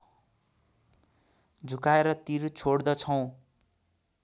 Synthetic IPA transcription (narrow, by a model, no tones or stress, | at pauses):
d͡zʱukaeɾʌt̪iɾt͡sʰoɽd̪ʌt͡sʰʌw̃